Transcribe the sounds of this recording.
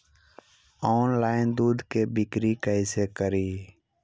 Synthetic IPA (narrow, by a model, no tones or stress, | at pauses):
ɔːnlaːɪnd̪uːd̪ʱkebɪkɾikəɪsekəɾiː